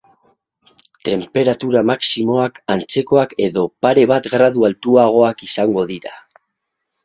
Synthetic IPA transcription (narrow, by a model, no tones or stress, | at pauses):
t̪e̞mpe̞ɾat̪uɾamaksimo̞akant͡se̞ko̞ake̞ðo̞paɾe̞β̞at̪ɡɾaðualt̪uaɣ̞o̞akisaŋɡo̞ðiɾa